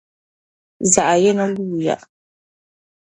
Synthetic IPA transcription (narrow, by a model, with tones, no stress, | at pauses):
za˨ʔa˨jɛ˦na˦luː˦˨ja̰˨ʔ